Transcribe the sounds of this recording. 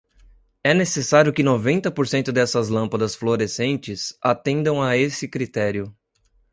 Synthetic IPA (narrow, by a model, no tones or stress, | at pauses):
ɛnesesaɾjʊkɪnovẽnt̪ɐpoɾsẽnt̪ʊd̪ɛsɐzlɐ̃mpɐd̪ɐsfloɾesẽnt͡ʃɪsat̪ẽnd̪ɐ̃w̃aesɪkɾit̪ɛɾjʊ